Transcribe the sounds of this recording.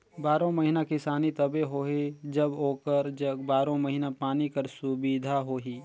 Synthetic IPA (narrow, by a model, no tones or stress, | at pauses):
baːɾõmɐɦinakɪsaːnit̪ɐbeɦoːɦed͡ʒɐboːkəɾd͡ʒəbaːɾõmɐɦinapaːnikɐɾsʊbid̪ʱaɦoːɦiː